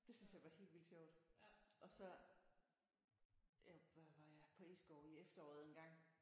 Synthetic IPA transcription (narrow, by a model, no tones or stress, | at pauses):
d̥e̝synsjɑ̈ɪʋɑ̈he̝̰ːl̥ʋild̥ɕɒʊd̥ʔɒ̽sɒ̽ | ʋɑ̈jɑ̈ɪpʰɒ̽ḭsɡ̥ɒːiefd̥ɐɒ̰ːð̩ˠenɡ̥ɑ̈ŋ̰